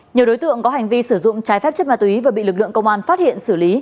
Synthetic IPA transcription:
ɲɨ˨˩əwɗo˨˦jt̪ɨ̰˧˨əŋkɔ˨˦ɦa˨˩jŋ̟vi˧sɨ˧˩zʊ̰˧˨ŋ͡mt͡ɕaː˨˦jfɛ˦˥p̚t͡ɕə˦˥t̚maː˨˩t̪i˨˦vaː˨˩ɓḭ˧˨lɨ˨˩k̚lɨ̰˧˨əŋkə˧wŋ͡mʔaː˧nfaː˦˥t̚hḭ˧˨ənsɨ˧˩li˨˦

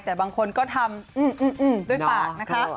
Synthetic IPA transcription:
t̪ɛː˨˩baː˧ŋkʰo˧nkɔː˥˩t̪ʰa˧mʔɯː˧˩mʔɯː˧˩ʔɯː˧˩mdu˥˩ədpaː˨˩k̚na˦˥kʰa˦˥

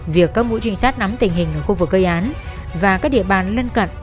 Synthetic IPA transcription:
vi˨˩əkːaː˦˥k̚mṵ˧˥jt͡ɕï˧ŋ̟saː˦˥t̚na˨˦mt̪ï˨˩ŋ̟hi˨˩ŋ̟ʔəː˧˩xu˧vɨ˨˩k̚ːə˧jʔaː˨˦n | vaː˨˩kaː˦˥k̚ɗḭ˧˨əɓaː˨˩nlə˧nkə̰˧˨n

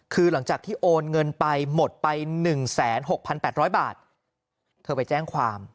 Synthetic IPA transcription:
kʰɯː˧la˩˦ŋt͡ɕaː˨˩k̚t̪ʰiː˥˩ʔoː˧nŋɤ˧npa˧jmo˨˩t̪̚pa˧jnɯ˨˩ŋsɛː˩˦nɦo˨˩k̚pʰa˧npɛː˨˩t̪̚ɾɔː˦˥jbaː˨˩t̪̚ | t̪ʰɤː˧pa˧jt͡ɕɛː˥˩ŋkʰwaː˧m

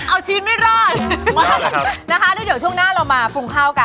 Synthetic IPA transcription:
ʔa˧wt͡ɕʰiː˧˦˥t̪̚ma˥˩jɾɔː˥˩t̪a˦˥˩na˦˥kʰa˦˥a˥˩di˩˦wt͡ɕʰu˥˩əŋnaː˥˩ɾa˧wmaː˧pʰu˧ŋkʰaː˥˩wka˧˩

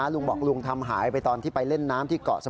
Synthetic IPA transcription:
a˦˥lu˧ŋbɔː˨˩k̚lu˧əŋt̪ʰa˧mɦaː˩˦jpa˧jt̪ɔː˧nt̪ʰiː˥˩pa˧jle˥˩nːaː˦˥mt̪ʰiː˥˩kɔ̰ː˨˩ʔsa˧

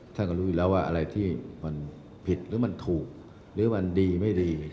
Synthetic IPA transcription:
t̪ʰa˥˩nkɔ˥˩ɾuː˦˥juː˨˩ɛː˦˥waː˥˩ʔa̰˧ɾa˧jt̪ʰiː˥˩ma˧n | pʰi˨˩t̪̚ɾɯː˨˦˥ma˧nt̪ʰuː˨˩k̚ | ɾɯː˨˦˥ma˧ndiː˧ma˥˩jdiː˧ma˧˩˧

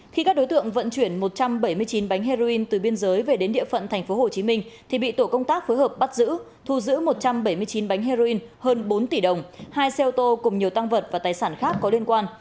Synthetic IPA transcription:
xi˧ka˦˥k̚ɗo˨˦jt̪ɨ̰˧˨əŋvə̰˧˨nt͡ɕwi˧˩ənmo˨˩t̚t͡ɕa˧mɓə˧˩jmɨ˧əjt͡ɕi˨˦nɓa˨˦jŋɦa˧zo˧ʔi˧nt̪ɨ˨˩ɓi˧ənzəː˨˦jve˨˩ɗe˨˦nɗḭ˧˨əfə̰˧˨nt̪ʰŋ̟fo˨˦ɦo˨˩t͡ɕi˨˦mï˧ŋ̟t̪ʰi˨˩ɓḭ˧˨t̪o˧˩kə˧wŋ͡mt̪aː˦˥k̚foː˨˦jhəː˨˩p̚ɓa˦˥t̚zɨ̰˧˥ | t̪ʰu˧˩zɨ̰˧˥mo˨˩t̚t͡ɕa˧mɓə˧˩jmɨ˧əjt͡ɕi˨˦nɓa˨˦jŋ̟ɦe˧zo˧ʔi˧nhəː˧nɓo˨˦nt̪i˧˩ɗə˨˩wŋ͡mhaː˧jsɛ˧ʔt̪o˧kʊ˨˩ŋ͡mɲi˨˩əwt̪a˧ŋvə˨˩t̚vaː˨˩t̪aː˨˩jsaː˧˩nxaː˦˥kːɔ˨˦li˧ənkwaː˧n

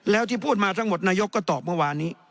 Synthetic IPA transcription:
lɛː˦˥wt̪ʰiː˥˩pʰuː˥˩t̪̚maː˧t̪ʰa˦˥ŋmo˨˩t̪̚naː˧jo˦˥kːɔː˥˩t̪ɔː˨˩p̚mɯ˥˩waː˧nːiː˦˥

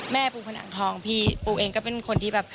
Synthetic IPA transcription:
mɛː˥˩puː˧˩pʰa˧na̰˨˩˦ŋt̪ʰɔː˧ŋpʰiː˧˩puː˧˩ʔeː˧ŋkɔː˥˩pe˨˩nkʰo˧nt̪ʰiː˥˩bɛː˨˩p̚

